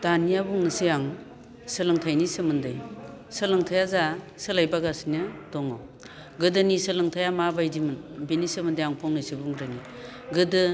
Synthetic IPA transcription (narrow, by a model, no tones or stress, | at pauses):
d̥anijabuŋnɯsijaŋ | sɯlɯŋtʰajnisɯmɯndɯjsɯlɯŋtʰajaza | sɯlajbaɡasinɯdɔŋa̰w | ɡɯdɯnisɯlɯŋtʰajamabajdimɯnbinisɯmɯndɯjaŋpʰɔŋnɯjsibuŋɾɯni | ɡɯdɯ